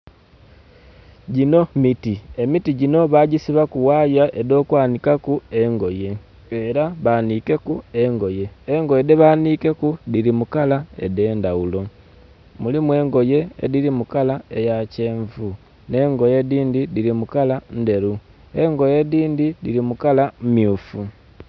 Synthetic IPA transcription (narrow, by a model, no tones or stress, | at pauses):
ɟino̞mitiemitiɟino̞βaɟisiβakuwajaʔedo̞ːkwaːnikakue̞ŋɡo̞je̞ | eɾaβanike̞kue̞ŋɡo̞je̞ːŋɡo̞jedeβaːnike̞kudiɾimukalaḛde̞ːndaulo̞ | mulimwe̞ːŋɡo̞je̞̰ːdiɾimukalaejace̞ːɱvu | ne̞ːŋɡo̞je̞diːndidiɾimukalande̞ɾu | eŋɡo̞je̞diːndidiɾimukalamjuːfu